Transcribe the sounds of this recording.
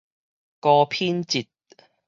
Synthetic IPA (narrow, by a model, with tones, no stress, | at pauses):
kɔː˧pʰiː˥nt͡si˨t̚